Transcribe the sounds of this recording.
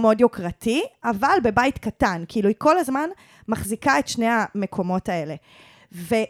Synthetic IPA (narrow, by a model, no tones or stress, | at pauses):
meodjokʁatiavalbe̞bajtkatankiiluiko̞lazman | maχzikae̞tʃne̞ame̞kʰo̞mo̞tae̞le̞ | ve̞